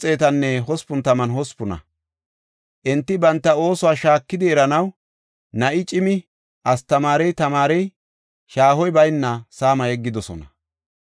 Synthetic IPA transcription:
t͡sʼe̞ːt̪ɐnːɛɦɔspʊnt̪ɐmɐnhɔspʊnɐ̰ | ʔɛnt̪ːɪbɐnt̪ːɐo̞ːsʊwaːʃaːkːɪd̪ɪɛɾɐnɐw | nɐʔɪt͡ʃʼɪmɪ | ʔɐst̪ɐmaːɾɛjt̪ɐmaːɾɛj | ʃaːhɔjbɐjnːɐsaːmɐjɛɡːɪd̪ɔsɔnɐ

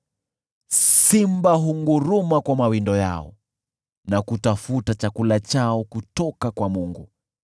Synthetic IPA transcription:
simbaɦuŋɡuɾumakwamawindɔja̰ɔ̰ | nakutafutat͡ʃakulat͡ʃaɔkutɔkakwamuŋɡu

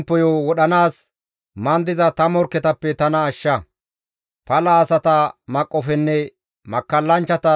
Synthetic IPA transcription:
pːɔjoːwɔɗɐnaːs | mɐnd̪ɪzɐt̪ɐmɔɾkːɛt̪ɐpːɛt̪ɐnɐːʃːɐ | pɐlɐːsɐt̪ɐmɐkʼːɔfɛnːɛ | mɐkːɐlːɐnt͡ʃːɐt̪ɐ

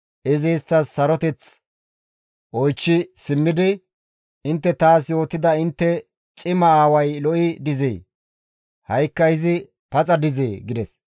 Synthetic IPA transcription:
ʔɪzɛjst̪ːɐsːɐɾɔt̪ɛt͡s | ʔɔjt͡ʃːɪsɪmːɪd̪ɪ | ɪnt̪ːɛt̪aːsjo̞ːt̪ːɪd̪ɐɪnt̪ːɛ | t͡ʃʼɪmɐaːwɐjlɔʔɪd̪ɪzḛː | hɐjkːɐɪzɪ | pɐt͡sʼɐd̪ɪzeːɡɪd̪ɛs

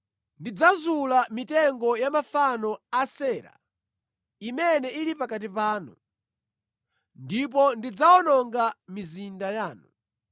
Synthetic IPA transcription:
ndid͡zazulamitɛŋɡɔjamafanɔasɛːɾa̰ | imɛnɛʔilipakat̬ipaːnṵ | ndip̬ɔndid͡zaɔnɔŋɡamizindajaːnu

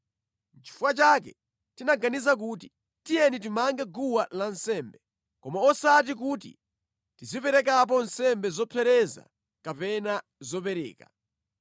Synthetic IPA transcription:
t͡ʃi̥fuwat͡ʃakɛ̰ | tinaɡanizak̬uːt̬i | tijɛnit̬imaŋɡɛɡuwalansɛːmbɛ | kɔmaɔsat̬ik̬utḭ | tizipɛɾɛk̬ap̬ɔnsɛmbɛzɔpʰɛɾɛza̰ | kapɛna | zɔpɛɾɛ̰ːka̰

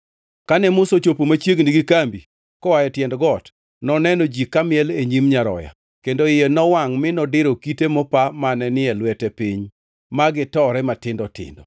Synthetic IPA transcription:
kanɛmʊsot͡ʃopomat͡ʃjeɡniɡɪkambi | kɔwajɛtjɛndɡɔt | nɔnɛnɔd͡ʒikamɪɛleɲimɲaɾɔ̰ja̰ | kendoɪjɛnɔwaŋmɪnɔdɪɾokitemɔpamanɛnɪɛlwɛtɛpiɲ | maɡɪtɔɾɛmatɪndɔtɪ̰ndɔ̰

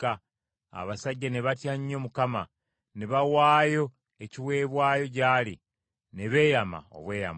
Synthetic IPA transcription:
a | a̰βasaɟːaneβatjaɲːo̞mukama | neβawaːjo̞ | eciwe̞ːβwaːjo̞c̬aːli | neβe̞ːjama̰o̰βwe̞ːja̰m

